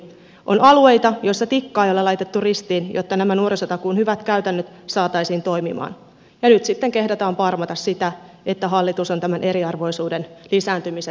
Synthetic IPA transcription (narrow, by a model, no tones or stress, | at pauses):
ʔo̞nɑlue̞jt̪ɑjo̞jsːɑt̪ikːɑːjolːɑlɑjt̪e̞t̪ːurist̪iːnjʔo̰t̪ːɑnæmænuo̞ɾisot̪ɑkunhyʋæt̪kæyt̪ænːøt̪ | sɑːt̪ɑisiːnt̪o̞jmḭmɑ̰ːn | jɑnyt̪sit̪ːeŋke̞hdɑt̪ɑːmpɑrmɑt̪ɑssit̪æ | et̪ːæɦɑlːit̪usont̪æmænʔe̞ɾiɑrʋo̞jsuːdenlisæːnt̪ymise